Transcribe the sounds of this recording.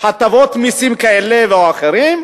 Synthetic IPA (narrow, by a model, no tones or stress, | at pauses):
hat̪avot̪misimkaeleveoaχeɾim